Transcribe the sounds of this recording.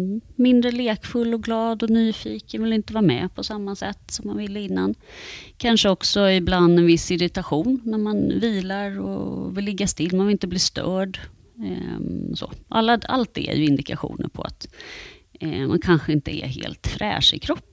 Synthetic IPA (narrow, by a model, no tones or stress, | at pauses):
mɪnd̪ɾəleːkfɵlːɔɡlɑːd̪ɔnyːfiːkənvɪlɪnt̪əvɑːɾmɛ̰pʰɔsamːasɛt̪ːsɔmːanvɪlːəɪnːankʰanʂəɔksɔɪbland̪ɛnvɪsːɪɾɪt̪aɧuːnnæɾmanviːlaɾɔ̰vɪlːɛɡːast̪ɪlːmanvɪlɪnt̪əbliːst̪œːɖ | so̰ːʔa̰lːaa̰lt̪̚d̪ɛɛ̰jɵɪnd̪ɪka̰ɧṵːnə̰ɾpʰɔa̰t̪ | ma̰nkʰanɧəɪnt̪əɛ̰ɦḛːlt̪fɾʔɛ̰ːʂɪ̰kʰɾɔpː